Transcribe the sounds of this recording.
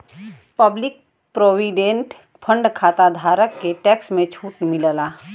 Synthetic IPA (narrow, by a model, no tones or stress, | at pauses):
pəblɪk̚ | pɾoːwiɖẽːɳʈ | pʰə̃ɳɖkʰaːt̪ad̪ʱaːɾəkːeʈɛːksmẽt͡ʃʰuːʈmɪləlaː